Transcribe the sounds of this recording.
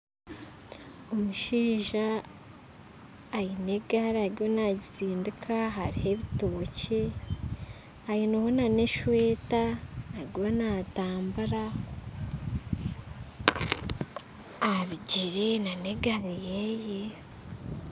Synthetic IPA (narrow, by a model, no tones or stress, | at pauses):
omuʃiːʒa | jine̞ɡaɾaɾijo̞naːɟiziːndikʰaɦaɾihe̞βito̞ːce̞ | ajinohonane̞ʃwe̞ːtaːɾiwo̞naːtaːmbuɾa | aβiɟiɾenane̞ɡaɾijeje